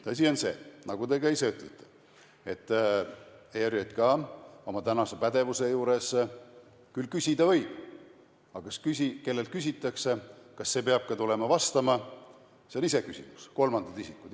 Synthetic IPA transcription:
t̪ɤs̬ʲio̞nse̞̰ːnɑɡ̥ud̪e̞kɑise̞yt̪ˑlet̪ˑːe̥ | e̞t̪ˑː | eɾjet̪kɑo̞mɑt̪ænɑse̞pæd̪̥e̞vuse̞juːɾe̞s | kylkysʲid̪̥ɑvɤ̞jb̥ | ɑkɑskysike̞lːe̞lt̪̚kys̬ʲit̪ːˑɑkse̞kɑsːe̞peɑb̥̚kɑt̪ule̞mɑvɑst̪ɑmɑ | senise̞kysʲimusko̞lmɑnd̪̥ɑd̪isikːˑud̪

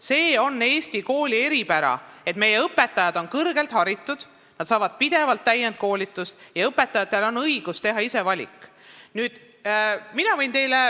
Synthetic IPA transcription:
se̞ːo̞nːe̞ːsʲt̪iko̞ːlʲie̞ɾipæɾɑ̰e̞t̪me̞je̞ɤpːe̞t̪ːˑɑjɑd̪o̞nkɤrɡ̥e̞lt̪hɑɾit̪ːˑud̪̥ | nɑd̪sɑːvɑd̪̥̚pid̪̥e̞vɑlt̪ːæjːent̪̚ko̞ːlʲit̪ːˑust̪jɑɤpːˑe̞t̪ːˑɑjɑt̪ːˑe̞lo̞nɤjɡ̥ust̪e̞ɦɑise̞vɑlʲḭkˑː | nyːd̪̥ | minɑvɤjnt̪e̞jle

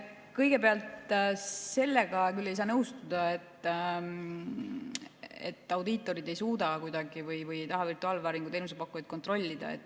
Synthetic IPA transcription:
kɤjɡ̥e̞pe̞ɑlt̪ | se̞lːe̞ɡ̥ɑkylːe̞jsɑːnɤwst̪ud̪̥ɑet̪ː | ḛt̪ːɑwd̪it̪ːˑo̞ɾid̪ejsuːd̪ɑkujd̪ɑɡ̥ivɯjvɯjt̪ɑɦɑvirt̪uɑːlvɑːɾiŋɡ̥ut̪e̞jnus̬epɑkːujɑjd̪̥̚ko̞nt̪ro̞lʲːid̪̥ɑ̰e̞̰t̪ːˑ

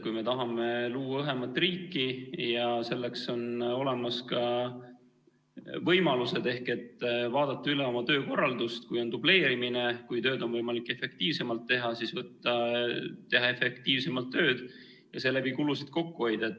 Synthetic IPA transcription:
kujme̞t̪ɑɦɑme̞luːwɑɤɦe̞mɑt̪ːˑriːkːijɑse̞lːekso̞no̞le̞mɑskɑ | vɤjmɑluse̞d̪̥e̞hke̞t̪ːvɑːd̪ɑt̪ːˑɑyleo̞mɑt̪ø̞ːko̞rːɑld̪ust̪kujo̞nd̪uble̞ːɾimine̞kujt̪ø̞ːd̪o̞nvɤjmɑlikːˑe̞fe̞k̚t̪iːvse̞mɑlt̪ːe̞ɦɑsisvɤt̪ːˑɑt̪e̞ɦɑe̞fe̞k̚t̪iːvsemɑlt̪ːø̞ːd̪̥ | jɑse̞lːæbikulusid̪̥̚ko̞kːuɦojd̪̥ɑet̪ː

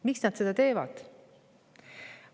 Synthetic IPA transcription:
miksnɑd̪se̞d̪̥ɑt̪e̞ːvɑ̰d̪̥

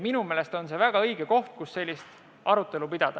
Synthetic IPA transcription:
minumeːle̞st̪o̞nse̞væɡ̥ɑɤjɡ̥eko̞ht̪̚kusːe̞lʲːist̪ | ɑɾut̪ːˑe̞lupid̪̥ɑd̪̥ɑ

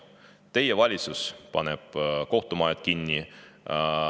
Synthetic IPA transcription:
t̪e̞jevɑlʲit̪suspɑ̰nɛb̥ko̞ht̪umɑjet̪̚kinːi

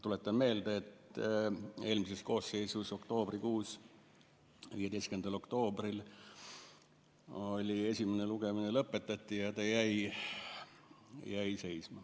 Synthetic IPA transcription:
t̪ule̞t̪ːˑɑnme̞ːld̪ɑet̪ˑ | e̞ːlmise̞sko̞ːsːe̞jsuso̞kt̪o̞ːbrikuːs | viːjeejstkyend̪̥ɑlo̞kt̪o̞ːbril | o̞lʲie̞sʲimeneluɡ̥eminelɤpːˑe̞t̪ːˑɑt̪ʲːˑijɑt̪ɑjæj | jæjse̞jsmɑ

